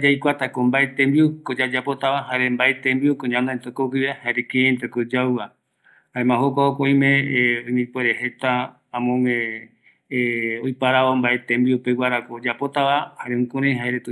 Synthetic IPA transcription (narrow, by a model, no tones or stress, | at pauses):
d͡ʒajkʷat̪akombaet̪ẽmbiukod͡ʒad͡ʒapo̞t̪aβaɦaɾembaet̪ẽmbiukoɲãnaent̪okokiβehaeɾekẽːnt̪ekod͡ʒawa | haẽmãhokʷaokʷaj̃mẽõj̃mipoeɾehe̞t̪ãː | mõmẽ | ojpaɾaβombaet̪ẽmbiupewaɾakod͡ʒapot̪aβahaɾeũkuɾ̃ãj̃ɦaeɾet̪